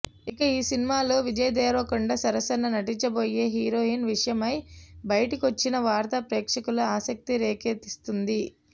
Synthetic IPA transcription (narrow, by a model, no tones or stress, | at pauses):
ikɐiːsinimaːlo̞ːʋid͡ʒɐjɐd̪ɛːɾʋɐkuɳɖɐsɐɾɐsɐnːɐnɐʈiɲt͡ʃɐboːje̞ːɦiːɾo̞ːɦiːnʋiʂɐjɐmɐjbɐjɐʈikʋɐt͡ʃːinɐʋaːɾt̪ɐpɾeːkʂɐkuluaːsɐk̚t̪iɾeːkeːt̪ist̪und̪i